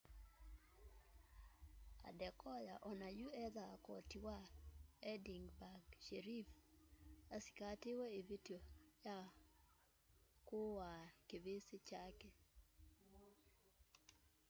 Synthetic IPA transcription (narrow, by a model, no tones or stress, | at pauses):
a̰dɛkɔjaʔɔnajuɛd̪akɔtiwaɛdiŋɡbaɡʃeɾif | asi̥katɪwɔevidioja | kʊwakebesɪt͡ʃake